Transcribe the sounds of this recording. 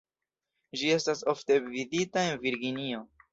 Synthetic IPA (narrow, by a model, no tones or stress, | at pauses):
d͡ʒie̞staso̞fte̞viditae̞nviɾɡinio̞